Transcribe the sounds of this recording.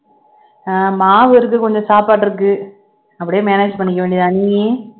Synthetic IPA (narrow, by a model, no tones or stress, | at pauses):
amaːʋɯɪɾɯk̬ːɯkɔɲd͡ʒɔ̃saːpaːʈːɪɾɯkːɯ | ɐpːɐɽɪjeːmeːneːd͡ʒpɐɳːɪk̬ːɐʋeːɳɖiðaɐːniŋeː